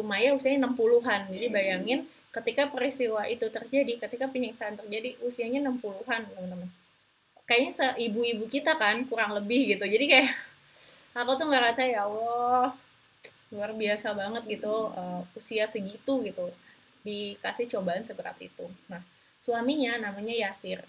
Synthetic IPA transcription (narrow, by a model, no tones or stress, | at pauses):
t̪umajausiaɲanəmpuluɦand͡ʒadibajaŋɪn | kət̪ikapəɾist̪iwaʔit̪ut̪ərd͡ʒadikət̪ikapəɲəksaːnt̪ərd͡ʒadiʔusiaɲanəmpuluɦannəmanəmən | kajaɲasəʔibuibukit̪akankuɾaŋləbɪhɡit̪ud͡ʒadikaja | akut̪uŋɡaɾasajawɔh | luarbiasabaŋət̪̚ɡit̪uəusiasəɡit̪uɡit̪u | dikasɪht͡ʃobaːnsəbəɾa̰p̪ḭt̪unah | suamiɲanamaɲajasɪr